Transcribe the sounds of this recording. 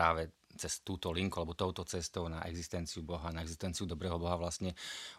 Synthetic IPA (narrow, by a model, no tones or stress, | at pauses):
aːʋɛ | t͡sɛst̪uːt̪ɔliŋkualɛbɔt̪ɔʊt̪ɔt͡sɛst̪ɔʊnaʔɛ̰ɡzist̪ɛnt͡siubɔɦanaɛɡzist̪ɛnt͡siud̪ɔbɾɛːɦɔbɔɦaʋlast̪ɲɛ